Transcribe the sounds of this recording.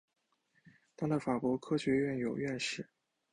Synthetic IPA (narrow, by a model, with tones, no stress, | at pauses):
t̪ɑ˥ŋlə˨˩fa˨˩kwɔ˧˥kʰɤ˥ɕɥɛ˧˥ɥɛ˥˩njo˨˩ʊɥɛ˥˧nʂɻ̩˥˩